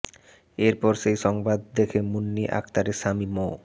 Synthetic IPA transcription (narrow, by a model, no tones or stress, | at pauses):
eɾpɔɾʃejʃɔŋbad̪̚ːekʰemunːiʔa̰kt̪aɾeʃamimo